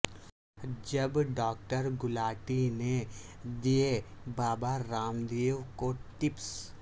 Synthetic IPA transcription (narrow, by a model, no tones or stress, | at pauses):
d͡ʒɐbɖɔːk̚ʈəɾɡʊlaːʈined̪ijebaːbaɾaːmd̪eːʋwkoʈɪps